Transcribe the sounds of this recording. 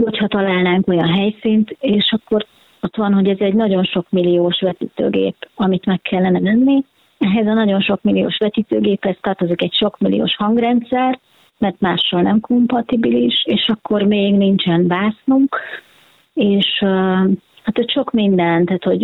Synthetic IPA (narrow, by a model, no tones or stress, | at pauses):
ho̞chɒt̪ɒlaːlnaːŋko̞jɒnɦɛjsiːnt̪eːʃɒkːo̞r | o̞t̪ʋɒnɦo̞ɟɛzɛɟnɒɟo̞nʃo̞kmilːijoːʃʋɛt̪ḭt̪ø̰ːɡḛːpɒmit̪mɛkʰːɛlːɛnɛmɛnːi | ɛɦɛzɒnɒɟo̞nʃo̞kmilːijo̰ːʃʋɛt̪it̪øːɡeːphɛst̪ɒrt̪o̞zikɛcʃo̞kmilḭjo̰ːʃhɒŋɡrɛnt̪sɛr | mɛrt̪maːʃːɒlnɛmkʰo̞mpɒt̪ibiliʃeːʃɒkːo̞rmeːɡnint͡ʃɛnvaːsnuŋk | eːʃ | haːt̪ɛcʃo̞kmind̪ɛnt̪aːt̪ho̞ɟ